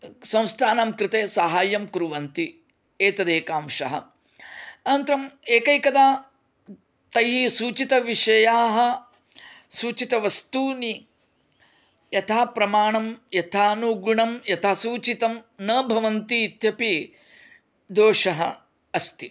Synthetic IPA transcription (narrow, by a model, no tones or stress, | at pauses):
sɐ̃w̃st̪ʰaːnamkɾɪt̪eːsɐɦaːjɐmkɾuʋɐnt̪i | eːt̪ɐd̪eːkaːmʃɐ̰ɦɐ̰ | ɐnɐnt̪ɾɐmeːkɐjkɐd̪aː | t̪ɐjɦisuːt͡ʃit̪ɐʋiʂɐjaːɦɐ̆ | suːt͡ʃit̪ɐʋɐst̪uːni | jɐt̪ʰaːpɾɐmaːɳɐmjɐt̪ʰaːnuɡuɳɐmjɐt̪ʰaːsuːt͡ʃit̪ɐmnɐːbʱɐʋɐnt̪iːt̪jɐpi | d̪oːʂɐɦɐ̰ | ɐst̪i